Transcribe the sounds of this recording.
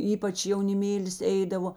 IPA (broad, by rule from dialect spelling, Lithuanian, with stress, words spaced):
ˈiːpɐt͡ʃ jɛʊnʲɪˈmʲeːlʲɪs ˈɛɪdɐʋoː